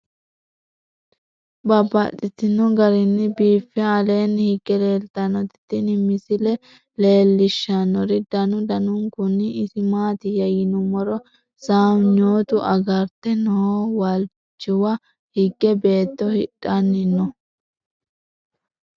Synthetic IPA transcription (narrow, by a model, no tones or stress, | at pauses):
bɐbːɐt̪ʼːɪt̪ːɪnːɔɡɐɾɪnːɪbiːfːɛɐle̞ːnːhɪɡːɛle̞ːlt̪ːɐnːɔt̪ɪ̥t̪ːɪnɪmɪsɪlɛ | le̞ːlːɪʃːɐnɔɾɪd̪ɐnʊd̪ɐnʊŋkʊnːɪɪsɪmaːt̪ɪjɐjɪnʊmɔɾɔ | saːwɲo̞ːt̪ʊʔɐɡɐɾt̪ɛnɔwɐl | t͡ʃːɪwɐ | hɪɡːɛbe̞ːt̪ːɔhɪɗʼɐnːɪnːɔ